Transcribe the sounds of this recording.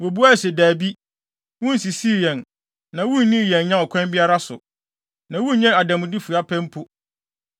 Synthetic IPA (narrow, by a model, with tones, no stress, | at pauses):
wɔ˨bu˦a˦˨sɛ˨daː˨bi˦ | wũ˦n̩˦˨si˨si˦ɾi˨ɛ̃˨n | nã˨wũ˦n˦nĩ˦˨jɛ̃˨nɲã˦ɔ˨kʷʰɛ̃˦mbi˦a˦ɾa˦sʊ̰˨ | nã˨wũ˦ɲɛ̃˦a˨dã˨mʊ̃˨di˦fu˨a˦pʰɛ̃˦m˦pʰʊ˦